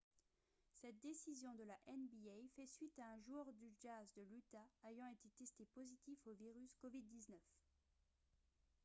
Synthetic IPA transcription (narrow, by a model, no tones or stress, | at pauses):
sɛt̪̚d̪esizjɔ̃d̪əlaʔɛnbiɛjfɛsɥit̪aɛ̃ʒuœʁd̪yʒazd̪əlyt̪aejɑ̃et̪et̪ɛst̪epozit̪ifoviʁyskɔvid̪̚ːiznœf